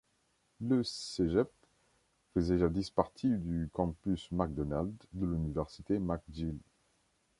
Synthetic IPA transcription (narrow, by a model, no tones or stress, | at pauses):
ləseʒɛp̚ | fəzɛʒad̪ispaʁt̪ʰid̪ykɑ̃pysmak̚d̪ɔnald̪ːəlynivɛʁsit̪emak̚d̪il